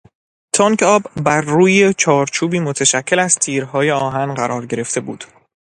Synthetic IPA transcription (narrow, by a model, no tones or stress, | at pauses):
t̪ʰɒŋkʰɒːbbːæɾːuːjet͡ʃʰɒːɾt͡ʃʰuːbiːmot̪ʰeʃæcʰːe̞læzt̪ʰiːɾɦɒːje̞ɒːɦænɢæɾɒːɾɟe̞ɾe̞ft̪e̞buːd̪̥